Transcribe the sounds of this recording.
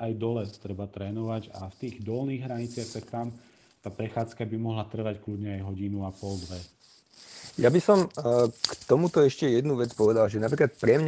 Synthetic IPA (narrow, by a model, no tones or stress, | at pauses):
ajd̪ɔlɛt̪ɾɛbat̪ɾɛːnɔʋaɟaft̪iːɣd̪ɔlniːɣɦɾaɲit͡sɪaxt̪akt̪am | t̪aːpɾɛxaːt͡skabimɔɦlat̪r̩ʋacklud̪ɲɛajɦɔɟinuapɔld̪ʋɛ | jabisɔmkt̪ɔmut̪ɔɛʃcɛjɛd̪nuʋɛt͡spɔʋɛd̪alʒɛnap̬ɾiklat̪̚pɾɛmɲ